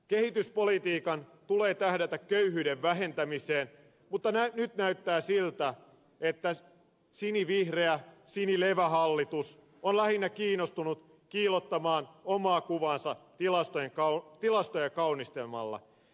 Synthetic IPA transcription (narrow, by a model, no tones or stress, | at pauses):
kehit̪yspolit̪iːkɑnt̪ule̞ːt̪æhdæt̪ækkøyhyːdeʋʋæɦe̞nt̪æmiseːn | mut̪ːɑnænyt̪næyt̪ːæːsilt̪æ | et̪ːæ | siniʋihreæsinileʋæɦɑlːit̪us | onlæhinːækiːnːost̪unut̪ | kiːlot̪ːɑmɑːnomɑːkuʋɑːnsɑt̪ilɑst̪ojeŋkɑt̪ilɑst̪ojekɑunist̪elmɑ̰lːɑ̰